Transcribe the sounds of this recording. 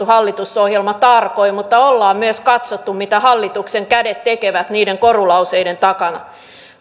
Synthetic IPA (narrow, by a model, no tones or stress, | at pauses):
uhɑlːit̪usohjelmɑt̪ɑrkoimut̪ːɑolːɑːmmyøskɑt̪sot̪ːummit̪æhɑlːit̪ukseŋkædet̪tekeʋæt̪niːdeŋkorulɑuseident̪ɑkɑnɑ̰